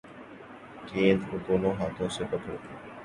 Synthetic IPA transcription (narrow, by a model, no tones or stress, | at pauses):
kẽːnd̪od̪oːnõːɦaːt̪ʰõːsekət̪ɾt̪ʰeː